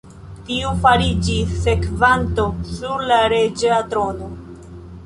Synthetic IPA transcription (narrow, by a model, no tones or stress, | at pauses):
tiufaɾid͡ʒisːe̞kvanto̞suɾlaɾed͡ʒeatɾo̞no̞